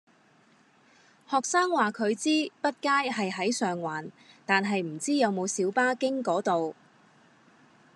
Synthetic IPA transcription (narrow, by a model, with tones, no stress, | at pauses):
hɔː˨k̚saː˥ŋwaː˨kʰɵ˨˧ɥt͡siː˥pɐ˥t̚kaː˥jɦɐ˨jɦɐ˨˥jsœː˨ŋwaː˨˩n | t̪aː˨nɦɐ˨jm̩˨˩t͡siː˥jɐ˨˧wmo˨˧wsiː˨˥wpaː˥kɪ˥ŋkɔː˨˥t̪o˨w